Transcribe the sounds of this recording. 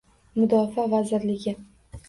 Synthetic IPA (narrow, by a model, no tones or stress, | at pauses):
mʊd̪ɒfavazɪɾlɪɡʲɪ